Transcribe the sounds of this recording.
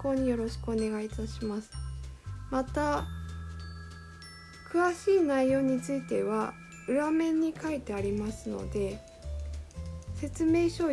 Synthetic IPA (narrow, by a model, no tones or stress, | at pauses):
ko̞ːɲ̟ijo̞ɾo̞ɕi̥kɯ̟o̞ne̞ɡait̪aɕimasɨ̥mat̪a | kɯ̟βaɕiːnaijo̞ːɲ̟it͡sɨit̪e̞β̞a | ɯ̟ɾamẽ̞ɲ̟ːikʰait̪e̞aɾʲimasɨno̞̰d̪e̞ | se̞t͡sɨme̞ːɕo̞ː